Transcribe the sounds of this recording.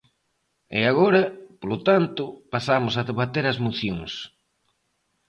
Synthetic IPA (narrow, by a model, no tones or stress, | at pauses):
ɛ̰aɣoɾɐpolʊt̪ant̪ʊpasamʊsɐðeβat̪eɾɐzmoθjoŋs